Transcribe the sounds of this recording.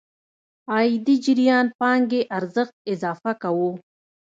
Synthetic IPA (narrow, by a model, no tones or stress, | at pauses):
ɑjid̪id͡ʒɪɾjɑnpɑŋɡeʔaɾzəxt̪̚ɪzɑːfakawu